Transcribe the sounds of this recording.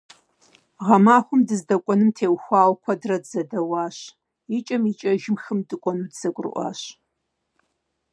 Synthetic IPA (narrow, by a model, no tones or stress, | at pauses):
ʁɐmaːχʷʊmdɨzdɐkʷʼɔnɨmtʰeːwxʷɑːwkʷʰɐdrɐdzɐdɐwɑːɕ | it͡ʃʼɐmit͡ʃʼɐʒɪmxɨmdɨkʷʼɔnuːdz̥ɐkʷʼʊrɨ̰ʔʷɑ̰ːɕ